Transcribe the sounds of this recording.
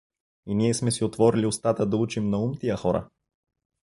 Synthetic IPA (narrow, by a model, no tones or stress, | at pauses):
iniɛsmɛsiot̪vɔɾliost̪at̪əd̪ɐut͡ʃimnɐumt̪ijəxɔɾə̰